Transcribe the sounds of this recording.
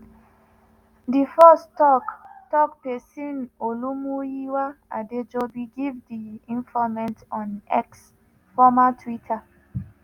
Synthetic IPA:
difɔstɔktɔk̚pɛsĩnolumujiwaa̰ded͡ʒobiɡivdiĩnfɔmɛ̃ntɔ̃nɛ̰ks | fɔmatʰwitʰa

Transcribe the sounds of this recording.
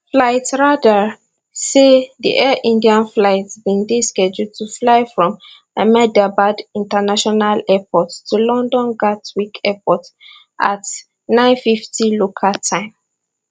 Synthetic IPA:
flaɪtsɹada | seðḭʔɛʔĩndiãnflaɪtsbĩŋdeskɛd͡ʒutʰuflaɪfɹɔ̃m | əmɛdabadĩntanaʃɔnalɛpɔttulɔ̃ndɔ̃nɡatwikʰɛpɔt | ʔa̰t | nãɪ̃nfiftilokʰatʰãɪ̃m

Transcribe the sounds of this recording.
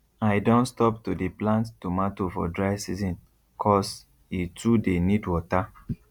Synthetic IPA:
aɪdõntstɔp̚tudiplãnttumatofɔ̰dɹaɪsizɔ̃n | kʰɔs | itʰudenidwɔta

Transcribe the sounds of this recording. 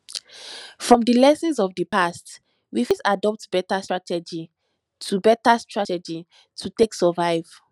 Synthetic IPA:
fɹɔ̃mdilɛsɔ̃nsɔvdəpast | wifisadɔp̚tb̥ɛtastɹatɛd͡ʒi | tʰubɛtastɹatɛd͡ʒi | tʰuteksɛvaɪv̥

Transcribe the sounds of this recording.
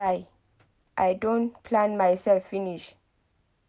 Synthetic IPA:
aj | ʔajdõnpʰlãnmajsɛlfːiniʃ

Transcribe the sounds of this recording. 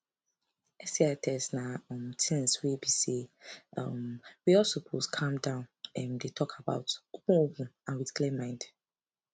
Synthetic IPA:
ɛsiatʰɛsnaɔ̃mtʰɛ̃nswebisiɔmwiɔsopʰoskʰãmdãʊ̃nɛmdetʰɔkʰaba̰ʊtopũobũãnwidklemãɪ̃nd

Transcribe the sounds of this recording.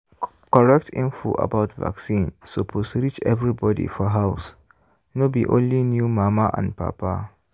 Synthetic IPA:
kɔɹɛk̚tʰḭ̃nfo̰ʔa̰baʊtva̰ksĩnsopʰostɹit͡ʃɛ̰vɹibɔdḭfɔɦaʊs | nobiʔõ̰nlinjumamaʔã̰npa̰pa

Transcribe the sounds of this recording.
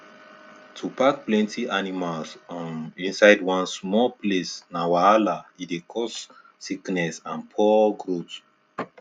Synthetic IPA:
tʰupak̚plɛ̃ntʰiʔanimalsĩnsaɪdwãnsmɔplesnawaalaidekʰɔsː | iknɛsãnpʰɔɡɹot

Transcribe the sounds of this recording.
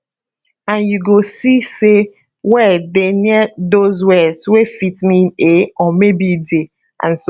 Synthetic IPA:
ãnjuɡosise | wɛdeniɛdozwɛswefitmĩneɔmebide | ã̰ns

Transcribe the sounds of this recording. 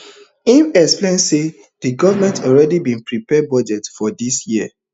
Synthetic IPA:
ĩnɛksplẽnse | dɨɡɔvəmɛ̃ntʰɔlɹɛdibĩnpɹipɛbɔd͡ʒɛtfɔdisjiə

